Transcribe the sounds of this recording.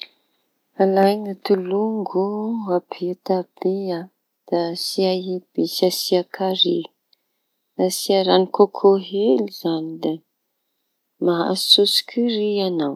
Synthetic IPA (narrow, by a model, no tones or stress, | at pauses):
alajŋat̪uluŋɡuapʰit̪ab̥ea | d̪̥asiaɦeb̥esasiakʰaɾi | d̪asiaɾanikokʰoɦeliz̥anid̪e | maɦa̰susi̥kʲʰurianaw